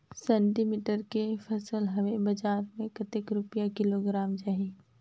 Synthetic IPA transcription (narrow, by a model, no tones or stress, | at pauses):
sɛ̃ːɳʈimiːʈəɾkepʰɐsəlɦɐʋebɐd͡ʒaːɾmẽkət̪ɪkɾʊpijakɪloɡɾaːmd͡ʒaːɦiː